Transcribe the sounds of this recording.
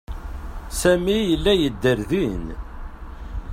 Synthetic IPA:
sæmijəlːæjəd̪ːəɾðin

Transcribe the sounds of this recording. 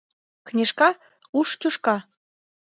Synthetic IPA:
knʲeʃkɑ | uʃtʲuʃkɑ

